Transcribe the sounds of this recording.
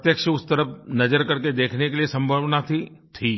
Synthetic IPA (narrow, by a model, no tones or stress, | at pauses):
t̪jəkʃəʊst̪əɾəpnɐd͡ʒəɾkɐɾked̪eːkʰnekeliesɐ̃mbʱəʋnat̪ʰit̪ʰiː